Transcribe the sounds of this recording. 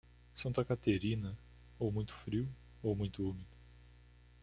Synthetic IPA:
sɐ̃nt̪ɐkat̪eɾĩnɐ | owmũj̃t̪ʊ̥fɾiw | owmũj̃t̪ʊumid̪ʊ

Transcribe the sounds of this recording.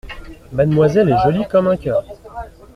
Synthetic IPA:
mad̪mwazɛlɛʒɔlikɔmɛ̃kʲœːʁ

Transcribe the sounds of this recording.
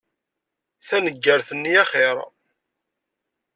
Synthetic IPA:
θænəɡːəɾθənːiæχɪɾ̰ˤ

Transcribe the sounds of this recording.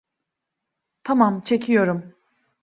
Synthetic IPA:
t̪ʰamamt͡ʃʰe̞cʰijo̞ɾum

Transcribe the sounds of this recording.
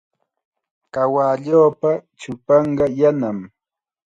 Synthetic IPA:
kawaːʎoːpat͡ʃʊpɑɴɢɑjanam

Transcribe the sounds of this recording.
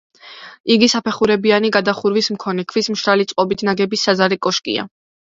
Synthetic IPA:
iɡisapʰɛχuɾɛbianiɡad̪aχuɾvismkʰɔnɛkʰvismʃɾalit̪sʼqʼɔbit̪ʰnaɡɛbisːazaɾɛkʼɔʃkʼḭa̰

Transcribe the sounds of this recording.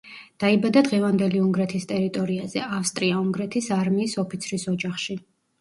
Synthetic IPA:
d̪̥aibad̪ad̪ʁɛvand̪ɛliuŋɡɾɛt̪ʰist̪ʼɛɾit̪ʼɔɾiazɛʔafst̪ʼɾiauŋɡɾɛt̪ʰisaɾmiːsɔpʰit̪sʰɾisɔd͡ʒaχʃi

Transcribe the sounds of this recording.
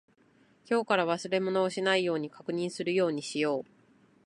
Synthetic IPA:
çʲo̞ːkaɾaβ̞asɨɾe̞mo̞no̞ːɕinaijo̞ːɲ̟ikakɯ̟ɲ̟ĩɰ̃sɨɾɯ̟jo̞ːɲ̟iɕijo̞ː

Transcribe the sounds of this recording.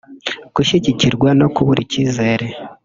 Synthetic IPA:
kuʃiciciɾɡwano̞kuβuɾḭciːze̞ːɾe̞

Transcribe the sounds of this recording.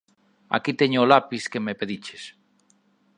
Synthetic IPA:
a̰kit̪eɲʊːlapiskemepeðit͡ʃes

